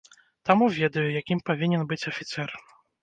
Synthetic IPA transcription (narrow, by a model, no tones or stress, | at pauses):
t̪amuvʲɛd̪ɐjujakʲimpavʲinʲɛnbɨt͡sʲɐfʲit̪sɛr